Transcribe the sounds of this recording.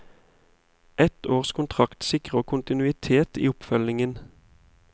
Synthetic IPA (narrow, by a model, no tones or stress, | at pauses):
ʔɛt̪oːʁskʰʊnt̪ʰʁɑkt̪sɪkʁəəkʰʊnt̪ɪnʉːɪt̪ʰeːt̪ḭːʊpfœlɪŋən